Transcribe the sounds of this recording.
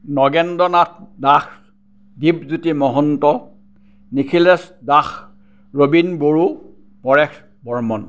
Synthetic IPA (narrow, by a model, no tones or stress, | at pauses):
nɔɡɛndɔnat̚dax | dib̚zutimɔɦɔntɔ | nikʰilɛsdax | ɹobinboɹu | pɔɹɛx | bɔɹmɔn